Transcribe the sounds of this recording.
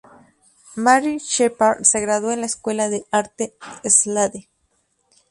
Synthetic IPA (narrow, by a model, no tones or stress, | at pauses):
maɾit͡ʃepaɾseɣɾaðoenlaeskwelaðeaɾt̪eːslaðe